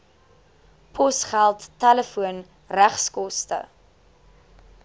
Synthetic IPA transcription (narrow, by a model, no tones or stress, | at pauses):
pʰɔsχælˠtːæləfuən | ræχskɔstə̰